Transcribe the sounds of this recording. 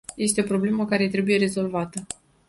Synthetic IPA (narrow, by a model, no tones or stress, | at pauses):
je̞st̪eo̞pɾo̞ble̞məkaɾe̞t̪ɾe̞buje̞ɾe̞zo̞lvat̪ə